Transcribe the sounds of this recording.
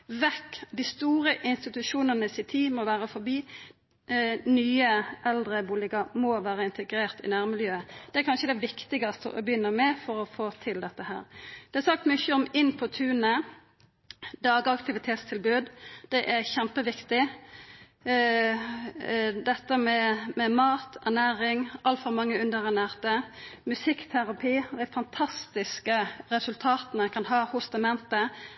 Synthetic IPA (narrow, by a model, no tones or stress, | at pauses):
ʋɛkːd̪ɪst̪uːɾəʔɪnst̪ɪt̪ʉʂuːnənəsɪt̪ʰiːmɔʋæːɾəfɔɾbiː | nyːəʔɛld̪ʁəbuːlɪɡəmoʋæːʁəɪnt̪əɡɾeːʁt̪ɪ̰næːʁmɪljøːəd̪̥ɛæɾkʰɑnʃəd̪ɛʋɪkt̪ɪɡɑst̪ə̰ʔɔ̰bjʏnːəmɛfɔɾɔfoːt̪ʰɪld̪ɛt̪ːəhæ̰ːʁd̪̥ɛhɛɾsɑk̚t̪mʏçːəɔmɪnːpʰɔt̪ʰʉːnə | d̪ɑːɡəɑkt̪ɪʋɪt̪ʰeːt̪st̪ʰɪlbʉːd̪d̪̥ɛʔæɾçɛmpəʋɪkt̪ɪ | d̪ɛt̪ːəmɛmɛmɑːt̪ɛʁnæːɾɪŋɑlt̪fɔɾmɑŋːəʉnd̪əɾʁænæːʁt̪əmʉsɪkt̪ʰæɾɑpʰiːd̪æɪfɑnt̪ʰɑst̪ɪskəɾɛsʉlt̪ʰɑːt̪nəkʰɑnɦɑːhʊst̪ɑmɛnt̪ə